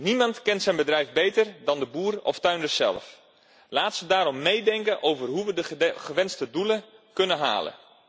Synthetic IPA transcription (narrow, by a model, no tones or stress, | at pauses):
nimɑntkɛntsɛjnbədrɛjfbejtərdɑndəbuːrɔ̰ftœɥndəsɛ̰lˠf | laːtsədaːɾɔmːejdɛŋkənʔowvərɦuʋədəχəʋɪnstəduləkɵnəɦa̰ːlə̰